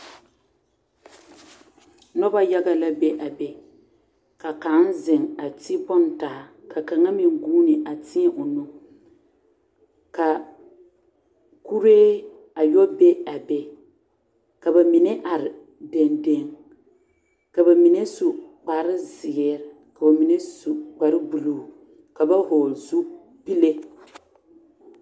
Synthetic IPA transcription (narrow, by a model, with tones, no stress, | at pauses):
nɔ˦ba˦ja˦ɡa˦la˦be˦ʔa˨be˨ | ka˨ka˨˦n˦zɪ˨ŋa˨ti˦bɔ˦n˨ta˨a˨ka˨ka˨ŋa˦mi˨ŋ˨ɡuː˦nɪ˨ʔa˨tʰɪ˦ɛ˦ʔo˨nu˦ | ka˨ | ku˦ɾeː˦ | a˨jɔ˦be˦a˨be˦ | ka˨ba˨mɪ˨ne˦ʔa˨ɾɪ˨ | de˨nde˦ŋ | ka˨ba˨mi˨ne˦su˨k͡pa˨ɾɪ˦zɪ˨ɛ˦ɾ | ka˨ba˨mi˨ne˦su˨k͡pa˨ɾɪ˦bu˨luː˦˨ | ka˨ba˦hoː˨lzu˦ | pi˦le˦